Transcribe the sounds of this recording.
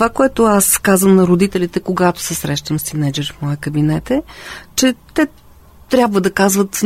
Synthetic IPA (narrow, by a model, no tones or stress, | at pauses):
vakoɛt̪ʊaskazvəmnɐɾod̪it̪ɛlʲit̪ɛkoɡat̪o̥sɛsɾɛʃt̪əmst̪inɛd͡ʒɛɾfmɔəkəbinɛt̪ɛt͡ʃɛt̪ɛ | t̪ɾʲjabvəd̪ɐkazvət̪